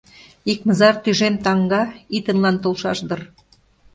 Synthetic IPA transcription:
ikmɤ̆zɑrt̪yʒemt̪ɑŋɡɑit̪ə̆nlɑnt̪olˠʃɑʃd̪ɤr

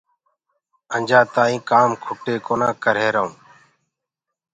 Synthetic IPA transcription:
ənd͡ʒʱãːt̪ãːĩːkaːmkʰʊʈeːkoːnaːkəɾeːɾəɦũː

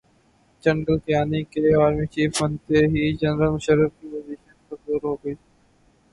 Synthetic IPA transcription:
d͡ʒɐ̃ɳɖəlk̪ɐjaːnikeaːɾmit͡ʃiːfbə̃nt̪eɦid͡ʒɐnɾəlmʊʃəɾːəfkiʋɐziːfẽtɐd̪uːɾɦoːɡəiː

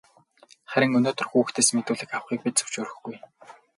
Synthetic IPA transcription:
χæɾʲɪ̆ŋɵnoːt̪ɵ̆rxuːxt̪ʰeːsmet̪uːɮɘ̆kawχiːk̚pit̪t͡sɵ̥w̥t͡ɕʊːɾɵ̆xɡuj

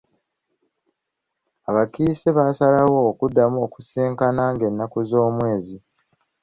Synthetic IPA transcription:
aβakiːseβaːsalawo̞ːkudːamuoku̥seːŋkanaːŋɡe̞nːakuzo̞ːmwe̞ːzi

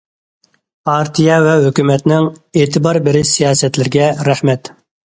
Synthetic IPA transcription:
pʰɑɾt̪ʰijɛvɛɦøkʲymɛt̪nɪŋeːt̪ʰɨbɑɾbɪɾɪsijɑːsɛt̪lɪɾɡʲɛɾæhmɛt̪

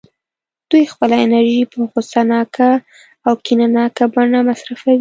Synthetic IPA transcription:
d̪̥ujxpəlaɪnaɾʒipəxost̪anɑkʰaː | wkinanɑkabaɳamasɾafawi

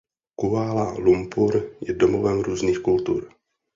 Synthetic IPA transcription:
kuaːlalumpuɾjɛdomovɛmɾuːzniːxkult̪ṵɾ

